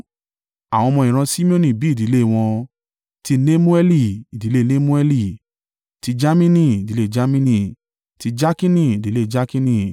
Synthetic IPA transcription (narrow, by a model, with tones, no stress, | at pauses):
a˨w̃ɔ̃˧mɔ̃˧˨ĩ˨ɾ̃ã˧si˦mĩ˦õ˦nĩ˨bi˨˦˨di˨˦le˦˨w̃ɔ̃˧ | ti˧ne˦mũ˦ɛ˦li˧˨i˨di˨˦le˦˧ne˦mũ˦ɛ˦li˧˨ | ti˧d͡ʒa˦mĩ˦nĩ˧˨di˨le˦˨d͡ʒa˦mĩ˦nĩ˧˨ | ti˧d͡ʒa˦kĩ˦nĩ˦˨di˨˦le˦˨d͡ʒa˦kĩ˦nĩ˦˧˨